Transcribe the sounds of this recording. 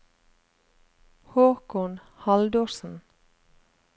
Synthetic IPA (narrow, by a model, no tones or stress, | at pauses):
hoːkɔn | hɑld̪øːɾsn̩